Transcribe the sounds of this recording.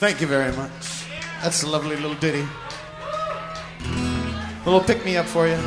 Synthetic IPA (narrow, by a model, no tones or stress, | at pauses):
θæ̃ŋkjɨvɛɹimʌt͡ʃ | ðætsəlʌvlilɪɾl̩ˠdɪɾi | wɪl̩ˠpɪk̚miʌpfə˞jɨ